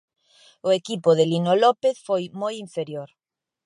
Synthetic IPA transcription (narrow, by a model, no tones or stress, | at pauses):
ʊekipʊðelinolɔpeθfojmojiɱfeɾjoɾ